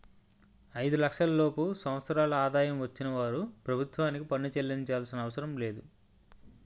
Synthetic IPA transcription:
ɐjd̪ulɐkʂɐlɐlo̞ːpusɐ̃m̃ʋɐt̪sɐɾaːlɐaːd̪aːjɐmʋɐt͡ʃːinɐʋaːɾupɾɐbʱut̪ʋaːnikipɐnut͡ʃelːiɲt͡ʃaːlsinɐːʋɐsɐɾɐmle̞ːd̪u

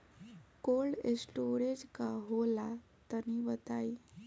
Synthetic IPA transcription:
koɭɖesʈoɾed͡ʑkaɦola | t̪əniʋət̪ai

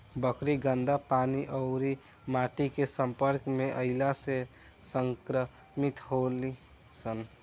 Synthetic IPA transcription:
bəkɾiɡənd̪apaːniʔəʊɾi | maːʈikesə̃mpəɾkmeʔəɪlase | səŋkɾə | mit̪ɦoli | sən

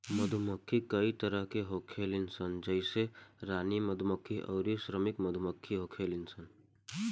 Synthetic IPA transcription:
məd̪ʱuməkʰːikəit̪əɾəɦkeɦokʰelinsənd͡ʒəɪseɾaniməd̪ʱuməkʰːiʔɔ̰ʊɾisɾəmikməd̪ʱuməkʰːiɦokʰelinsən

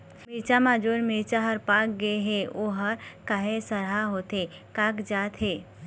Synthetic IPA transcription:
mɪɾt͡ʃamad͡ʒoːɾmɪɾt͡ʃaɦɐɾpaːk̚ɡɐeɦeoːɦəɾkaɦẽsɐɾɦaɦoːt̪e | kaːkd͡ʒaːt̪ɦeː

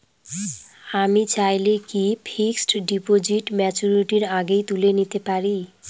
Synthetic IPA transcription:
amit͡ɕajlekipʰiksʈɖipod͡ʑiʈmɛt͡ɕuɾiʈiɾaɡejt̪ulenit̪epaɾi

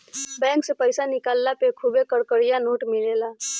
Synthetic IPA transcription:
bɛ̃ːŋksepəɪsanɪkaːlːapekʰubekəɽkəɽijanoːʈmɪleːla

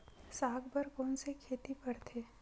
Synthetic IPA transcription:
saːɡbəɾkoːnsekʰeːt̪ipɐɽt̪ʰeː

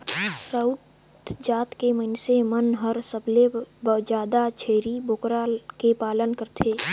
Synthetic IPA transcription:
səʊt̪ | d͡ʒaːt̪keməɪnsemənɦəɾsəblebəd͡ʒaːd̪at͡ʃʰeːɾibʱokɾakepaːlənkəɾt̪ʰeː

